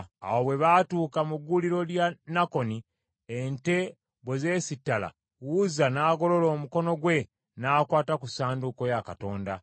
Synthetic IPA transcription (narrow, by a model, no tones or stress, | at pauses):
a̰wo̞βwe̞βatuːkamuɡːuliɾo̞ljanako̞ni | ente̞ | βweze̞ːsitːala̰ | wuzanaːɡo̞lo̞lo̞ːmuko̞no̞ɡwe̞ | naːkwaːtakusaːnduko̞jakato̞ːnda̰